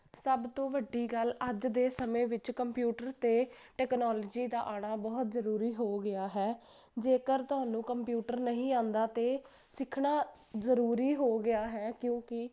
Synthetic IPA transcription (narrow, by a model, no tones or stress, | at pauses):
səbt̪õːʋəɖːiːɡələd͡ʒd̪eːsəmẽːʋɪt͡ʃkəmpjuːʈəɾt̪eːʈɛːknɔːlɔd͡ʒiːd̪aːʔaːɽ̃aːbɔːt̪zəɾuːɾiːɦoːɡɪaːɦɛː | d͡ʒeːkəɾt̪ʊɦaːnũːkəmpjuːʈəɾnəɦĩːãːnd̪aːt̪eː | sɪkʰɳaː | zəɾuːɾiːɦoːɡɪaːɦɛːkjõːkɪ